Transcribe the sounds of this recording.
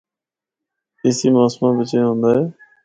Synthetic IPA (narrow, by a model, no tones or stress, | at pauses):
eːsiːmaːsmãːbɪt͡ʃẽːɦõːnd̪aːɦeː